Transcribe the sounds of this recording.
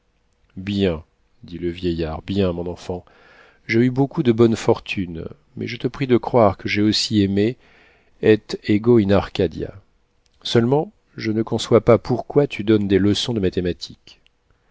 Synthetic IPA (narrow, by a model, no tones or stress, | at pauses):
bjɛ̃ | d̪iləvjɛjaʁbjɛ̃mɔ̃nɑ̃fɑ̃ | ʒeybokud̪əbɔnfɔʁt̪ʰyn | mɛ̰ʒət̪əpχid̪əkχwaʁkəʒeosiɛme | ɛt̪eɡoinaʁkad̪ja̰ | sœlmɑ̃ | ʒənəkɔ̃swapapʰuʁkwat̪ʰyd̪ɔnd̪eləsɔ̃d̪əmat̪emat̪ʰik